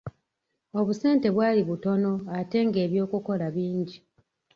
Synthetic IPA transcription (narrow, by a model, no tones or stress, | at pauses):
o̞βuse̞ːnte̞βwaːliβuto̞no̞ate̞ŋɡe̞ːβjo̞ːkuko̞laβiːɲɟi